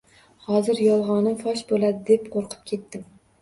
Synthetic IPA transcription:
hɒzɪɾjɒlˠʁɒnɪfɒʃbolad̪ɪd̪e̞pqʰoɾqʰɨ̥p̚kʲʰe̞t̪ːɪm

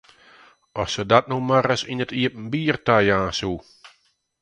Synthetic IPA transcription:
ɔsədatnumaɾəsinətʰiəp̚n̩biːərtajãːsu

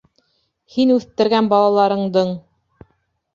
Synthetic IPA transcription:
hinʉθt̪ɘ̆ɾɡænbɑlˠɑlˠɑɾɤ̆ɴd̪ɤɴ

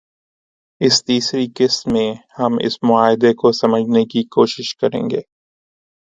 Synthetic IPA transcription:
ɪst̪iːsɾikɪsːẽhɐmɪ̰smʊaːɦɪd̪ekosɐməd͡ʒʱnekikoːʃɪʃkɐɾḛ̃ːŋɡeː

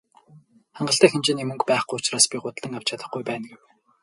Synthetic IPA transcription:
χaɴɢə̆ɬt̪æːxent͡ɕenemɵ̆ŋkpæːχɡujʊt͡ɕraːspʲiɢʊt̪ɮə̆ŋaw̥t͡ɕʰat̪ə̆χɡujpæːnɡuw

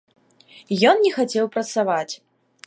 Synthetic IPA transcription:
jɔnnʲɛxat͡sʲɛwpɾɐt̪savat͡sʲ

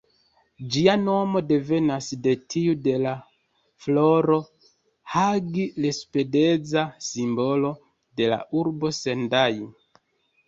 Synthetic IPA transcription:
d͡ʒiano̞mo̞de̞ve̞nasde̞tʰiude̞la | flo̞ɾo̞ | haɡilespe̞de̞zasimbo̞lo̞ | de̞la̰ʔuɾbo̞se̞ndaju

